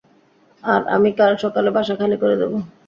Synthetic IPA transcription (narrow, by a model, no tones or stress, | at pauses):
aɾa̰mikaɾʃɔkalebʱaʃakʰalekoɾed̪ebo